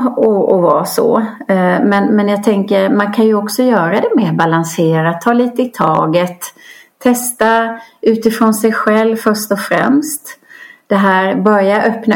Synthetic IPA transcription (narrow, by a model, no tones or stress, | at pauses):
ɔɔvasɔ̰ | mɛnmɛnjɑːɡ̚t̪ʰɛŋkəɾmankʰanjɵɔksɔjœːɾad̪ɛmeːɾbalanseːɾat̪ʰːɑːliːt̪əɪt̪ʰɑ̰ːɡət̪ʰː | ɛst̪aʉ̟ːt̪ɪfɾonsɛjɧɛlvfœʂʈ̪ɔfɾɛ̰mst̪d̪̥ɛɦæːɾbœɾjaʔœpna